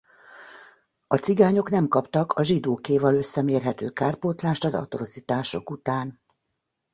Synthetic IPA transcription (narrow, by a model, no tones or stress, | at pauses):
ɒt̪siɡaːɲo̞kn̪ɛmkɒpt̪ɒkʰɒʒid̪oːkeːvɒlø̞sːɛmeːrɦɛt̪øːkaːrpoːt̪laːʃt̪ɒzɒ̰t̪orozit̪aːʃo̞̰kut̪aːn